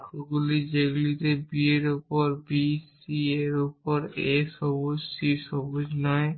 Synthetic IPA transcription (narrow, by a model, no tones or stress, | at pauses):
toɡulid͡ʑeɡulit̪ebieɾupoɾbisieɾupoɾeʃɔbod͡ʑsiʃɔbod͡ʑnɔe